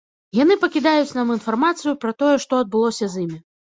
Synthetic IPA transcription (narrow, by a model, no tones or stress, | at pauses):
janɨpɐkʲid̪ajut͡sʲnaminfarmat̪sɨjupɾɐt̪ɔjɛʂt̪ɔɐd̪̚bɨlˠɔsʲɐzimʲi